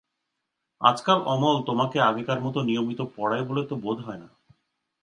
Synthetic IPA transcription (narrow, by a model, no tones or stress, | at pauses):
a̰d͡ʑkaɾʔɔmolt̪omakeaɡikaɾmɔt̪onijomit̪opɔɽaebolet̪obod̪ʱɦɔena